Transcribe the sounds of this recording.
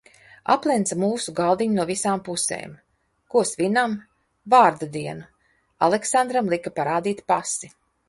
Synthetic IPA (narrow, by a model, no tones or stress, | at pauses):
a̰plˠɛnt̪samuːsuɡalˠd̪iɲunuɔvisaːmpusḛːm | kuɔsvʲinam | vaːɾd̪ad̪iɛnu | a̰lˠɛksand̪ɾamlˠikapaɾaːd̪iːt̪pasi